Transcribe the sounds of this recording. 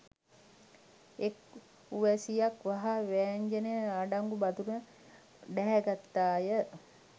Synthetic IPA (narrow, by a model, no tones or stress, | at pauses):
ek | uʋɛsijakʋaɦaʋæːɲd͡ʒenejəaɖaŋɡubad̪unə | ɖɛɦæɡat̪ːaːjə